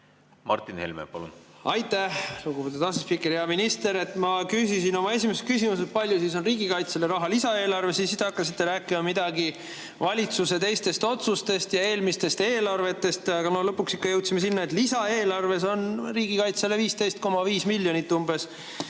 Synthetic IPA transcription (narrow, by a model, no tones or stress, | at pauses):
mɑ̰rt̪ːˑinhḛlmḛpɑ̰lṵnɑjt̪ːˑæhluɡupe̞t̪ːud̪ɑsespikːˑeɾiɑminist̪e̞ɾe̞t̪ːˑmɑkyːsisino̞mɑe̞simeset̪kysimus̬et̪̚pɑlʲjusiso̞nriːɡ̥ikɑjt̪sele̞ɾɑɦɑlisɑe̞ːlɑrve̞sisit̪ːeɑkːɑsit̪ːe̞ɾæːkːˑimɑmid̪̥ɑɡi | vɑlʲit̪suse̞t̪ejst̪e̞st̪o̞t̪sust̪e̞st̪jɑe̞ːlmist̪e̞st̪eːlɑrve̞t̪ːˑe̞st̪jɑkɑnolɤpːuksikːɑjɤwt̪simesinːɑet̪lisɑe̞ːlɑrve̞s̬o̞nriːɡ̥ikɑjt̪seleviːst̪e̞jst̪̚ko̞mɑviːsmilʲːjo̞nit̪ːumbe̞s